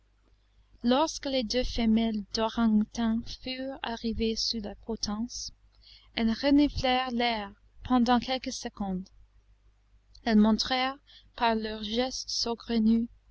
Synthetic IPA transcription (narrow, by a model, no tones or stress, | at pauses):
lɔʁskəled̪øfɛmɛld̪̥ɔʁɑ̃ŋt̪ɛ̃fyʁa̰ʁivesylapχɔt̪ʰɑ̃s | ɛlʁənyflɛʁlɛʁ | pʰɑ̃d̪ɑ̃kʰɛlkəsəkɔ̃d̪ | ɛlmɔ̃t̪χɛʁ | paʁlœʁʒɛstsoɡʁəny